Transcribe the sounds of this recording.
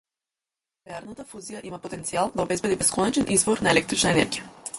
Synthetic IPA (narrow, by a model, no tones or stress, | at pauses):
vɛaɾnat̪afuzijaʔimapot̪ɛnt̪sialˠd̪aɔobɛzbɛd̪ibɛskɔnɛt͡ʃɛnʔizvɔɾnaɛlɛkt̪ɾit͡ʃnaɛnɛ̰ɾɡija